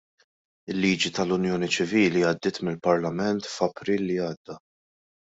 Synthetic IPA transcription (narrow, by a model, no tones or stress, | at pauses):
ɪlːiːd͡ʒit̪ɐlʊnjɔːnit͡ʃɪviːliɐd̪ːɪːt̪mɪlpɐɾlɐmɛnt̪fɐpɾiːlːiɐːd̪ːɐ